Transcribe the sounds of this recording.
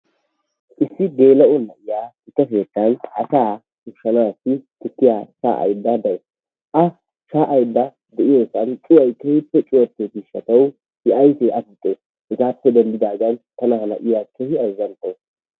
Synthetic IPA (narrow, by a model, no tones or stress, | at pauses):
ʔɪsːɪɡe̞ːlɐɔnɐʔɪjaːhɪt̪ːɐfeːt̪ːɐnɐsaː | ʊʃːɐnaːsɪkʼɪt̪ːɪjaʃa̰ːʔɐ̰jd̪ːɐd̪ɐʔɛ | ʔɐ | ʃaːʔːjd̪ːɐ | d̪ɛʔɪjosɐnt͡ʃʼɪwɐjkːehɪpːɛt͡ʃʼʊwɐt̪ːet̪ɪʃɐt̪ɐw | hɪʔɐjt̪eʔɐfɪt̪ʼːe | hɪɡaːpːɛd̪ɐnd̪ɪd̪aːɡ̪ɐnt̪ɐnɐhɐnɐ̰ʔɪjakːehɪɐjzɐnt̪ʼo